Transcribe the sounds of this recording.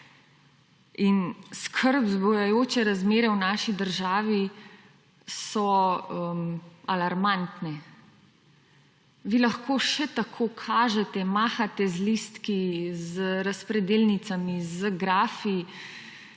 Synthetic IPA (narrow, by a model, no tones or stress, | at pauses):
inskʰəɾbzbɔjajoːt͡ʃɛɾazmeːɾɛwnaːʃid̪əɾʒaːʋi | sɔəmalaɾmant̪nɛ | ʋiːlaxkoːʃɛt̪akʰoːkʰaːʒɛt̪ɛmaːxat̪ɛzlist̪kizəɾaspɾɛd̪eːlnit̪samizəɡɾaːfi